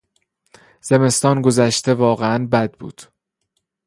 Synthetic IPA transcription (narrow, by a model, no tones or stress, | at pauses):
z̥e̞me̞st̪ɒːnɡo̞zæʃt̪e̞vɒːɣeænbæd̪̚bṵːd̪̥